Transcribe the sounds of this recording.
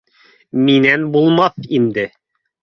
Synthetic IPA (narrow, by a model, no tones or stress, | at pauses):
minænbulˠmɑθind̪ɘ